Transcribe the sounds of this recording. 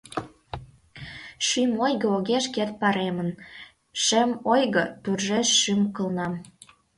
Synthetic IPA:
ʃymojɣə̆oɣeʃket̪̚pɑɾemə̆n | ʃemojɣɤ̆t̪urʒeʃːymkə̆lnɑm

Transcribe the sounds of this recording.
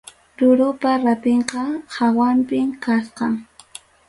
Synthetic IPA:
ɾʊɾʊpaɾapeɴqɑhawampɪmkasqɑŋ

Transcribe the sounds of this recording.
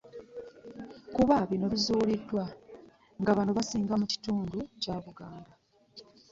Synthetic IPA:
kuβaβino̞βizuːlidːwa | ŋɡaβanoβasiːŋɡamuci̥tuːnducaːβuɡaːnda

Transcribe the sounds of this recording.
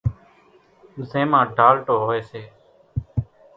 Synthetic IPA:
zẽːmãːɖʱaːlʈoːɦoːeːseː

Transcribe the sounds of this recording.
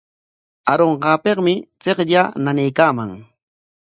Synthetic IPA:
aɾoɴɢɑːpeqmɪt͡seqʎananejkaːma̰ŋ

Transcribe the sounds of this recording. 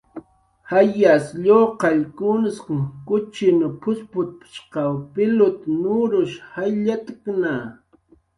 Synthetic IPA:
hajasʎoqɑʎkʊnɪsqɪŋkʊt͡ʃɪnʊpʰʊspʊt̪̚pɪ̥ʃqɑwpɪlʊt̪nʊɾʊʃhajʎat̪ɪkna

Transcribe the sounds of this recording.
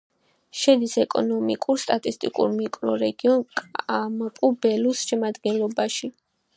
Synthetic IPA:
ʃɛd̪isɛkʼɔ̰nɔmikʼuɾst̪ʼat̪ʼist̪ʼikʼṵɾmikʼlɔɾɛɡiɔnkʼampʼubɛlusʃɛmad̪ɡɛnlɔbaʃi

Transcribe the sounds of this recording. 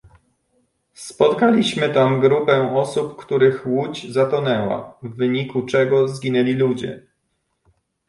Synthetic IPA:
spɔt̪kalʲiɕmɘt̪amɡɾupɛɔsupkt̪uɾɘxwud͡ʑzat̪ɔnɛwa̰vːɘɲikut͡ʂɛɡɔzɡʲinɛlʲilud͡ʑɛ̰

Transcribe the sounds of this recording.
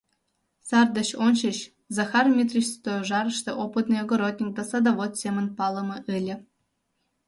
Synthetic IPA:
sɑrd̪ɤ̆ɕonɕiɕ | zɑxarmʲit̪rʲiɕst̪ojoʐɑɾɤ̆ʂt̪ɤʔopɨt̪nɨjoɡoɾot̪̚ʲnʲik̚d̪asɐd̪ɐʋot̪sʲemə̆npɑlˠɤ̆mɤ̆ʔɘlʲɘ̆

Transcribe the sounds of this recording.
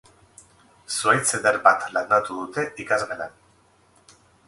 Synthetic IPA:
suajt͡sed̪eɾbat̪lanat̪uðut̪eʔikazʁelan

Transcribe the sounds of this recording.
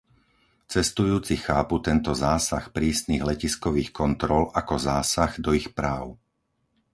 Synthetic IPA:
t͡sɛst̪ujuːt͡sixaːput̪ɛnt̪ɔzaːsaxpɾiːsniɣlɛciskɔʋiːxkɔnt̪ɾɔlʔakɔzaːsaɣd̪ɔixpɾaːʊ

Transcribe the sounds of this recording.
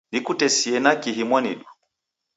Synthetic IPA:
nikutɛsiɛnakiɦimwanḭɗu

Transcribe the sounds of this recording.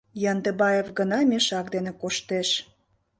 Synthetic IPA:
jɑnd̪ebɑjevɡənɑmʲeʃɑk̚d̪enĕkoʃt̪eʃ

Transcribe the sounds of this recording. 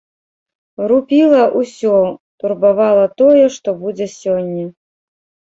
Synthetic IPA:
rupʲilˠɐʔusʲɔt̪urbavalˠɐt̪ɔjɛʂt̪ɔbud͡zʲɛsʲɔnʲːɐ

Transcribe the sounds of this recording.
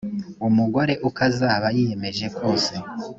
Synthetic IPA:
umuɡoɾe̞ʔukazaːβajije̞me̞ʒe̞kʰo̞ːse̞

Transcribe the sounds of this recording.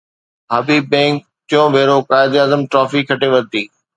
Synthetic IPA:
ɦabibɛ̃ːk̚ | tɪjõbʱeːɾokaːɪd̪aːzəmʈɾɔːfikʰɐʈeʋɐɾt̪iː

